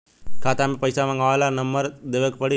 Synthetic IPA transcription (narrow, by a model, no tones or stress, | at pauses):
kaːt̪aːmipɐjsaːʋɐŋɡaːlanɐmːɐɾd̪eʋɐkpɐɽi